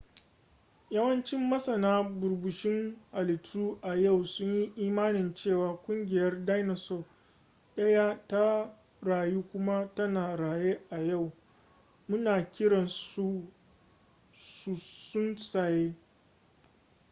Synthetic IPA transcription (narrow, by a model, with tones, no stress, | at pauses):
jɐ˦wɐ˦nt͡ʃɪ˦mːɐ˦sɐ˨naː˦bʊ˨ɾbʊ˨ʃɪ˦ŋʔa˨lɪ˨tʰːuː˦ʔa˨ja˦˨wsʊ˦ɲji˦ʔiː˦maː˦nɪ˨nt͡ʃeː˦˨waː˨kʷʼʊ˦ŋɡʲɪ˨jɐ˦rda˦jnɐ˨so˦˨ | ʔɐ˦jaː˦ta˦ | ɽaː˨juː˦kʷʊ˦ma˦tɐ˦naː˨ɽaː˨jeː˦ʔa˨ja˦˨w | mʊ˦naː˨kʲɪ˦ɽɐ˨nsu˦ | su˨sʊ˦nsaː˨jeː˦